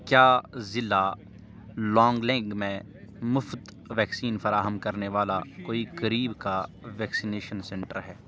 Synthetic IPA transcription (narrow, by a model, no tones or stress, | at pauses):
kjaːzɪla | lɔ̃ːŋɡlɛ̃ɡmẽ | mʊfd̪ | ʋɛːksiːnfɐɾaːɦəmkɐɾneʋaːlakoːikɐɾiːbkaʋɛːksineːʃənsɛ̃ɳʈəɾɦɛː